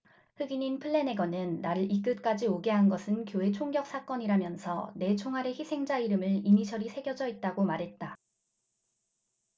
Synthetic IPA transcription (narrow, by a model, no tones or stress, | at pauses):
ɸɯɡiɲinpʰɯɭːe̞ne̞ɡʌnɯnːaɾɯɭʔik͈ɯt̚k͈ad͡ʑioɡeɦanɡʌsʰɯnkjoe̞t͡ɕʰoŋɡjʌk̚s͈ak͈ʌɲiɾamjʌnsʰʌ̰ne̞t͡ɕʰoŋɦaɾe̞çisʰe̞ŋd͡ʑaiɾɯmɯɭimiɕʰʌɾisʰe̞ɡjʌd͡ʑʌit̚t͈aɡomaɾɦe̞t̚t͈a